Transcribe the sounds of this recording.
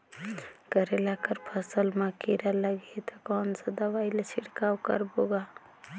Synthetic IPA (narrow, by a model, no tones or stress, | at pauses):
kəɾelakəɾpʰəsəlmakiɾaləɡet̪akɔːnsəd̪aʋaːjlet͡ʃʰiɽkawkə̰ɾboɡa